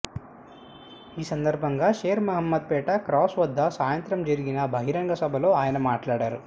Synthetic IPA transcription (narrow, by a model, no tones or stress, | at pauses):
iːsɐnd̪ɐɾbʱɐŋɡaːʃeːɾmɐɦɐmːɐd̪̚pɛːʈɐkɾaːsʋɐd̪ːɐsaːjɐnt̪ɾɐmd͡ʒɐɾiɡinɐbʱɐɦiɾɐŋɡɐsɐbʱɐlo̞ːaːjɐnɐmaːʈlaːɽaːɾu